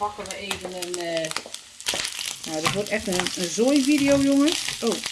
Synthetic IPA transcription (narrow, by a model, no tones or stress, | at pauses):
pakəʋəeːvənən | noːdɔtʋotɛxtənənzoːjʋidɪjoːjoŋənʔoː